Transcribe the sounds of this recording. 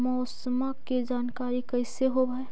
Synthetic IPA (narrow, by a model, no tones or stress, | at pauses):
mɔːsmakid͡ʒaːnkaːɾikɐɪseɦobaːe